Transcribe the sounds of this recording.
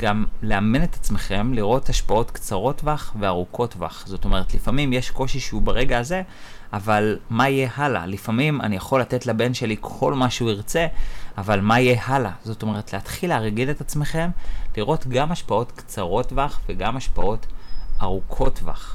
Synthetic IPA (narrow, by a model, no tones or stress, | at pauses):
ɡ̥amle̞amine̞t̪ḁt͡sme̞χe̞mliʁo̞thaʃpao̞tkt͡saʁo̞tvaχve̞aʁukʰo̞tva̰χz̥o̞to̞me̞ʁet̪lifamimjeʃko̞ʃiʃeubaʁe̞ɡaːze̞ | avalmaije̞hala̰lifamima̰nijaχo̞lːate̞tlabe̞nʃe̞likʰo̞lmaʃuiʁt͡se̞avalmaijehalazo̞to̞me̞ʁet̪leatχileʁɡile̞t̪at͡sme̞χe̞mliʁo̞tɡamhaʃpao̞tkt͡saʁo̞tvaχveɡamaʃpao̞taʁukʰo̞tva̰χ